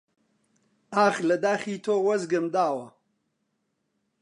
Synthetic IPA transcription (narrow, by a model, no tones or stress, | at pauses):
aːxlɐd̪aːxiːt̪ʰoːwɐzɡəmd̪aːwɐ